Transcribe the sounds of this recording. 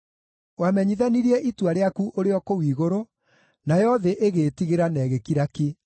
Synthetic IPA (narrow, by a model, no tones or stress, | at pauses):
wamɛɲiðaniɾiɛʔitwaɾeakuʔoɾeɔkowiːɣoɾo | najɔðeʔeɣeːtiɣeɾanɛːɣekiɾake